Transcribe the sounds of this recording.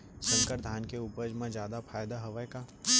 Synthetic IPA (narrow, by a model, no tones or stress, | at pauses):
sə̃ŋkəɾd̪ʱaːnkeuːpəɾd͡ʒmãd͡ʒjaːd̪apʰaːjd̪aɦɐʋəjka